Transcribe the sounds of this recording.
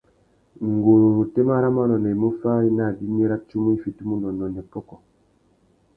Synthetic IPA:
ŋ˨ɡo˨te˦ma˦ɾa˦ma˦lɔ˨nɛ˨i˨mo˦fa˦i˦na˦˨di˦mi˦ɾa˦t͡ʃu˦mu˦i˦fi˨tu˦mu˦ndɔ˨nɔ˨nɛ˨pɔ˦kɔ˨

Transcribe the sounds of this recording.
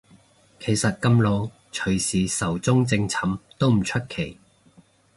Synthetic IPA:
kʰe˨˩jsɐ˨t̚kɐ˧mlo˨˧w | t͡ʃʰɵ˨˩ɥsiː˨˥sɐ˨˩wt͡sʊ˥ŋt͡sɪ˧ŋt͡sʰɐ˨˥mt̪o˥wm̩˨˩t͡ʃʰɵ˥t̚kʰe˨˩j

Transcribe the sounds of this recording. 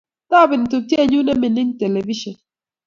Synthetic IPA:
ta˦˨bi˨n˨tu˨ti˦e˨ɲu˦ne˦mi˨ni˦ŋte˨le˨vi˦ʃɔ˨n

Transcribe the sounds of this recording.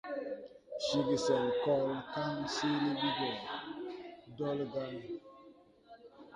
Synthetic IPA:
ʃi˦ɡi˨sɛ˨lkɔ˦lka˦mse˦le˦bi˦ɡɔ˨ | dɔ˦lɡa˦m

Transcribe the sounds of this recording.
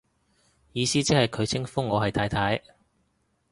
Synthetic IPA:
jiː˨˧siː˥t͡si˥hɐ˨jkʰɵ˨˧ɥt͡sʰɪ˥ŋfʊ˥ŋːɔː˨˧ɦɐ˨jt̪ʰaː˨˧jt̪ʰaː˨˥j

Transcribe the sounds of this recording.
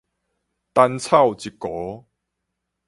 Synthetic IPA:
t̪a˧nt͡sʰa˥˨wt͡ɕi˨˩kɔ˨˦

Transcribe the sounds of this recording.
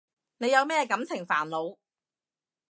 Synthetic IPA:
ne˨˧jɐ˨˧wmɛː˥˧kɐ˨˧˥mt͡sʰɪ˨˩ŋfa̰ː˨˩nlo˨˧w

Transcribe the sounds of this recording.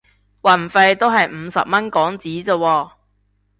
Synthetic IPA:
wɐ˨˩nfɐ˧jt̪o˥wɦɐ˨jm̩˨˧sɐ̰˨p̚mɐ˥nkɔː˨˥ŋt͡siː˨˥t͡səː˧wɔː˧˩

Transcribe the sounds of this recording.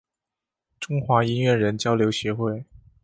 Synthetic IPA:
ʈ͡ʂʊ˥ŋxwa˧˥i˥nɥɛ˥˩ɻə˧˥nt͡ɕjɑ˥ʊljo˧˥ʊɕɥɛ˧˥xwe˥˩ɪ

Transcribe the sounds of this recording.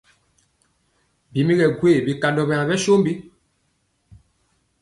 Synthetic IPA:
bi˨mi˦ɣɛ˨ɡwe˦˨bi˨ka˨ndɔ˨bɛ˨a˨bɛ˦ʃo˦mbi˦

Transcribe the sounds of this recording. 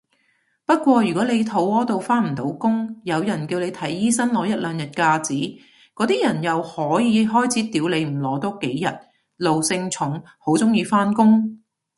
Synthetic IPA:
pɐ˥t̚kʷɔː˧jyː˨kɔː˨˥le˨˧jt̪ʰo˨˥wɔː˥t̪o˨wfaː˥nm̩˨˩t̪o˨˥wkʊ˥ŋjɐ˨˧wjɐ˨˩nki˧wle˨˧jt̪ʰɐ˨˥jːiː˥sɐ˥nlɔː˨˥jɐ˥t̚lœː˨˧ŋjɐ˨t̚kaː˧t͡siː˨˥ | kɔː˨˥t̪iː˥jɐ˨˩njɐ˨whɔː˨˥jiː˨˧ɦɔː˥jt͡sʰiː˨˥t̪iː˨˥wle˨˧jm̩˨˩lɔː˨˧˥t̪ɔː˥ke˨˥jːɐ˨t̚ | lo˨wsɪ˧ŋt͡sʰʊ˨˥ŋ | ho˨˥wt͡sʊ˥ŋjiː˧faː˥nkʊ˥ŋ

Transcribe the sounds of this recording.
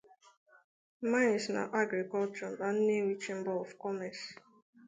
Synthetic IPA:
mã˦ɪ̃nsna̰˨ʔa˦ɡɾi˨kɔ˦lt͡ʃɔ˨na˨n̩˦ne˦wi˦t͡ʃẽ˦m̩˦bɔ˦ɔ˨fkɔ˦mɛ˨s

